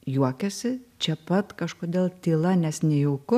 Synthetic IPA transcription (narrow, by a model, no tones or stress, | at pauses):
juɔkʲɛsʲɪt͡ʃʲɛpɐt̪kɐʃkoːd̪ʲeːlˠt̪ʲiːlˠɐnʲɛsnʲɛjuːkʊ